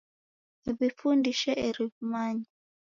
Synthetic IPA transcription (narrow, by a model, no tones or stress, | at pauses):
eβifundiʃɛʔɛɾiβumaɲa